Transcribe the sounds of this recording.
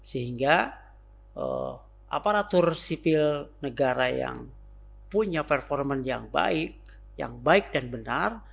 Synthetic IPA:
səɦiŋɡa | ʔə̰ | ʔa̰paɾat̪ʊrsipɪlnəɡaɾaja̰ŋ | puɲapərfɔrmənjaŋba̰ɪk̚ | ja̰ŋbaɪk̚danbənar

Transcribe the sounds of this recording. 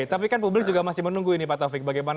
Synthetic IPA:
t̪apikanpublɪk̚d͡ʒuɡamasɪhmənuŋɡuinipat̪ɔfɪk̚baɡajman

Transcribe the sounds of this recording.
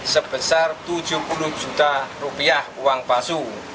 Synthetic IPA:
səb̥əsart̪ud̥ʒ̥ṳhpuluhd̥d͡ʒ̥ut̪arupiahuwaŋpasu

